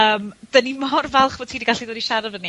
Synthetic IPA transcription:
əːmd̥ənimɔrvɛlˠχv̥ɔtʰiːdiɡaɬidoːdiʃaɾəvəni

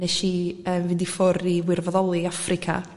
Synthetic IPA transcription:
nɛʃiəːmvɪndifʊɾiwɪrvɔðɔlˠiafrɪkʰa̰

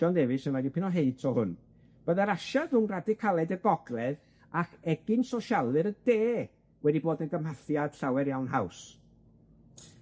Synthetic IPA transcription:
ɔndevɨsənɔdipɪnɔɦeɨtʰɔhʊn | b̥əðaɾaʃaðunradɪkʰalˠɛdəɡɔɡlˠɛð | akɛɡɪnsɔʃalˠɨɾəd̥eː | wɛdiboːdənɡəmhaθjad̥ɬawɛɾjawnɦaws

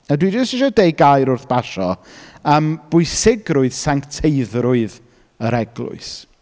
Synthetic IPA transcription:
ədwid͡ʒəstɪʃɔdeɨɡajɾʊrθb̥aʃɔ̰əmb̥ʊɨssɪɡɾʊɨð̥saŋktʰeɨðɾʊɨð | əɾɛɡlˠʊ̰ɨs

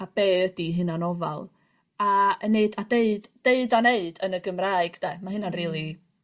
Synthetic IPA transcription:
ab̥eːədiɦɨnanɔva̰lˠ | aəneɨdadeɨdd̥eɨdaneɨdənəɡəmraːɨɡ̥dɛmaɦɨnanriːlˠi

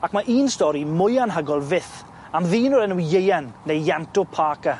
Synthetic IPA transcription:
akmaʔiːnstɔɾimʊjanɦəɡɔlˠvɪθ | amðiːnɔɾɛnujejanːejjɛmtʊpʰaːka

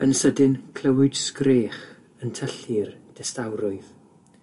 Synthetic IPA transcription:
ənsədɪnkʰlˠəwɪd̥skreːχ | əntʰəɬɨrd̥ɛstawɾɔɨð

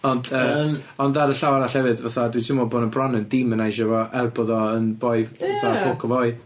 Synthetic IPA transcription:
ɔndəɔndðaɾəɬawaɾaɬɛvɨdvaθadwitʰɪmɔboːnəbrɔnəndɪmənajʃɔvɔʔɛrbɔðɔənbɔɨvvaθafokʰɔvɔɨ

